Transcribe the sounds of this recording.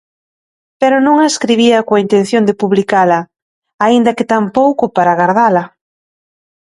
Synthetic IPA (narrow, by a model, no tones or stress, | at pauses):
peɾʊnõŋaeskɾiβiɐkoaint̪ẽn̟θjond̪ɪpuβlikalɐ | aind̪ɐkɪt̪ampowkʊpaɾaɣaɾðalɐ